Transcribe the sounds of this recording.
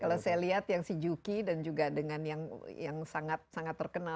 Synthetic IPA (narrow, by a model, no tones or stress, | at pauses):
kalasajaliɦat̪jaŋsid͡ʒukidand͡ʒuɡadəŋanjaŋjaŋsaŋat̪̚saŋat̪ːərkəna